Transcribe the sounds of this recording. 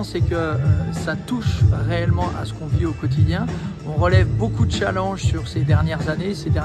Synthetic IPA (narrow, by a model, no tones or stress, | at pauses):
sɛkəsat̪uʃʁeɛlmɑ̃ʔa̰sə̥kɔ̃viokɔt̪̬id̪jɛ̃ | ɔ̃ʁəlɛvbokud̪əʃalɑ̃ʒsyʁsed̪ɛʁnjɛʁzanesed̪ɛ